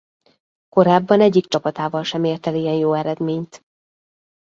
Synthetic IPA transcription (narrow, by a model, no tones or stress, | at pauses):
ko̞ɾaːbːɒnɛɟːikt͡ʃɒpɒt̪aːvɒlʃɛmeːrt̪ɛlijɛnjoːɛɾɛd̪meːɲt̪